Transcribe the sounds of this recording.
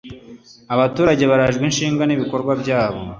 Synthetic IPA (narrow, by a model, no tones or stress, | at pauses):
aβatuːɾaɟe̞βaɾaʒɡwinʃiːŋɡaniβiko̞ɾɡwabɟaːβo̞̰